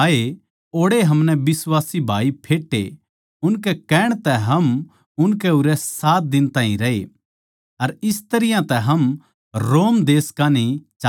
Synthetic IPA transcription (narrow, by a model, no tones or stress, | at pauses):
e | oːɽeɦɐmnɛbɪswaːsibʱa̰ːipʰeːʈːḛ | ʊnkɛkɛːɽ̃t̪ɛɦɐm | ʊnkɛʊɾɛsaːt̪̚d̪ɪnt̪ãːḭ̃ɾɐḛ | ɐɾɪst̪ɐɾɪjãt̪ɛɦɐm | ɾoːmd̪eːskanit͡ʃ